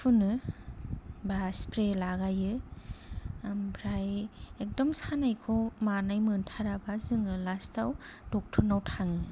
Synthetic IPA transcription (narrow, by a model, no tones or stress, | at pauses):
pʰunɯ | baspɾelaɡajɯ | mbʰɾajek̚dɔmsanajkʰɔmanajmɯntʰaɾabazɯŋɯlastʰawd̥ɔk̚tʰunawtʰaŋɯ